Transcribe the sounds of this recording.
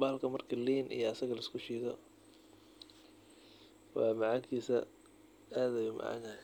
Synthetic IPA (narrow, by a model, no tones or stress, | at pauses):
baːlkʰɐmɐrkʰɐliːnʔḭjɔɐsɐɣɐlɐɪskʰʊʃiːðɔ | wɑ̰ːmɐʕaːkʰiːsɐ | aːðɐjʊmɐ̰ʕa̰na